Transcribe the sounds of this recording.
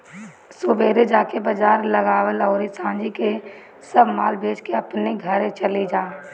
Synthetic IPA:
sʊbeːɾed͡ʒaːkebəd͡ʒaːɾlɐɡaːwəlɔːɾisãːd͡ʒike | səbmaːlbʱeːd͡ʒkeɐpneɡʱɐɾẽt͡ʃəlid͡ʒaː

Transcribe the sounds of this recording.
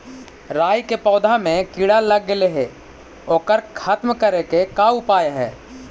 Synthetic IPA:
ɾaːjkepɔːd̪ʱamẽkiɽaləɡeleɦeː | oːkəɾkʰət̪mkəɾekekaʊpaːjaɦɛ̰ː

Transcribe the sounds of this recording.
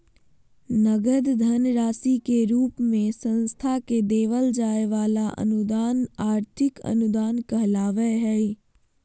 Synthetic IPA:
nəɡəd̪d̪ʱənɾaːsikeɾuːpmẽsə̃nst̪ʰaked̪eːʋəld͡ʒaːeʋaːlaʔɐ̰nʊd̪aːnaːɾt̪ʰɪkə̰nʊd̪aːnkəɦlaːʋəɦɛ

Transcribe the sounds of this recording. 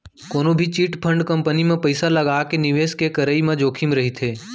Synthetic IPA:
koːnobʱit͡ʃiːʈpʰə̃ɳɖkə̃mpənimẽpəɪsalɐɡaːkenɪʋeːskekəɾəimẽd͡ʒoːkʰimɾɐɦit̪ʰeː

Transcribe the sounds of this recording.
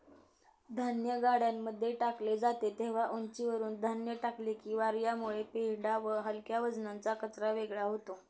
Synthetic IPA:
d̪ʱanjəɡaɽjamːəd̪ʱːjeʈakled͡zat̪et̪eʋ̤aʔont͡ɕiʋəɾuːnd̪ʱanjəʈaklikiːʋaɾjamuɭepeɽaʋəɦəlkjaʋəd͡znant͡sakət͡sɾaʋeɡɭaɦot̪o

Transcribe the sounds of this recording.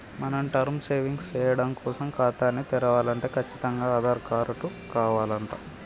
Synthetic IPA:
mɐnɐmʈɐɾmseːʋiŋɡst͡ʃɛːjɐɽɐmkɔːsɐmkaːt̪aːnːit̪ɛɾɐʋaːlɐɳʈe̞ːkʰɐt͡ʃːi̥t̪ɐŋɡaːaːd̪ʱaːɾkaːɾɐʈukaːʋaːlɐɳʈa̰ː

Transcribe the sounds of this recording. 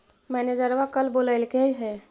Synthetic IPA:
mɛned͡ʒəɾʋakəlboləɪlkeɦɛ

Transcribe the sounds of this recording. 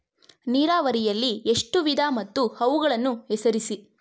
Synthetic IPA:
niːɾaːʋɐɾijɐlːie̞ʂʈuʋid̪ʱaːmɐt̪ːuhɐʋuɡɐɭɐnːuɛsɐɾisi

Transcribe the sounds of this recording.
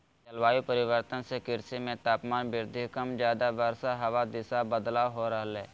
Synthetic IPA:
t͡ʃɐlʋaːipəɾɪʋəɾt̪ənsekɪɾsimẽt̪aːpmaːnbɪɾd̪ʱikəmd͡ʒjaːd̪aʋəɾsaɦɐʋad̪ɪsabəd̪laɦoɾəɦəlɛː

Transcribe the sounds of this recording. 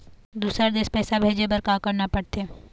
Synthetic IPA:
d̪uːsɾad̪eːspɛːsabʱeːd͡ʒebɐɾkaːkɐɾnapɐɽt̪eː

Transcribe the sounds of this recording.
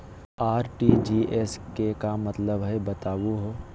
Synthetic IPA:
aːɾʈid͡ʒiːeskekamɐt̪ləbɦɛbɐt̪aːʋuɦoː

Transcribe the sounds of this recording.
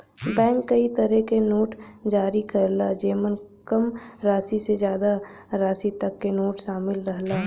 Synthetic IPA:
bɛ̃ːŋkːɐit̪əɾɛkenoːʈd͡ʒaːɾikɐɾlad͡ʒeːmənkɐmɾaːsisezjaːd̪a | ɾaːsit̪ɐkːenoːʈʃaːmɪlɾəɦlaː

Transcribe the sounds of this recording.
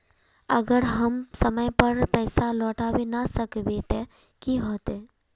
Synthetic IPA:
əɡəɾɦɐmsəməjpəɾpɛːsalɔːʈaːwenasəkbeːt̪e | kiɦoːt̪e

